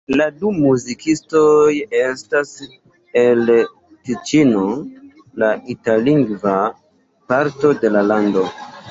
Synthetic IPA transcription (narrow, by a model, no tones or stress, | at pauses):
ladumuzikʰisto̞je̞stas | el | tit͡ʃino̞ | laʔitaliŋɡva | paɾto̞de̞lalando̞